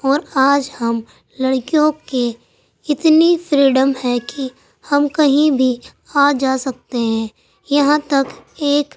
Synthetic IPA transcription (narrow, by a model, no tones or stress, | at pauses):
ɔːɾaːd͡ʒhɐm | lɐɽkijõke | ɪt̪nifʰɾiːɖəmhɛki | hɐmkɐɦĩbʱi | aːd͡ʒaːsɐk̚t̪eɦɛ̃ː | jɐɦãt̪ɐkeːk